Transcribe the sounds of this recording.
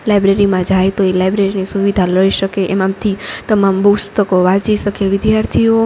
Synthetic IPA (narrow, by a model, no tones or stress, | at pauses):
lajbɾeɾimãd͡ʒaet̪oelajbɾeɾinisuʋid̪ʱaləiʃəkeʔɛmãmt̪ʰit̪əmambust̪əkoʋat͡ʃiʃəkeʋɪd̪jaɾt̪ʰio